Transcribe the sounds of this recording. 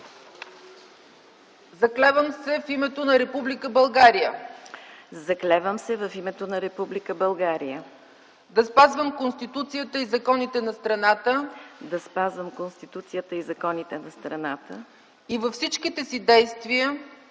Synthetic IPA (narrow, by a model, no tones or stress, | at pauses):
zɐklɛvəmsɛfimɛt̪onɐɾɛpublikəbɐlˠɡaɾijə | zɐklɛvəmsɛvɐfimɛt̪onɐɾɛpublikəbɐlˠɡaɾijə | d̪ɐspazvəmkonst̪it̪ut̪sijət̪əizɐkɔnit̪ɛnɐst̪ɾɐnat̪əd̪ɐspazvəmkonst̪it̪ut̪sijət̪əizɐkɔnit̪ɛnɐst̪ɾɐnat̪ə | ivɐfsit͡ʃkit̪ɛsid̪ɛjst̪viə